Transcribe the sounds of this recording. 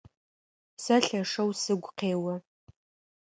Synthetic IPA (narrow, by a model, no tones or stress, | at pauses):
saɬɐʂɐwsɨɡʷqʰeːwa